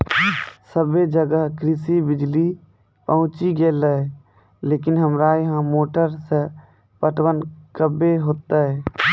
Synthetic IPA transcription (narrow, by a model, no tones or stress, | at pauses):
səbed͡ʒəɡəɦkɾɪsibɪd͡ʒli | pəɦʊ̃t͡ʃiɡeːlə | leːkɪnɦəmɾaːeɦãmoːʈəɾse | pəʈwənkəbeɦoːt̪aɦɛː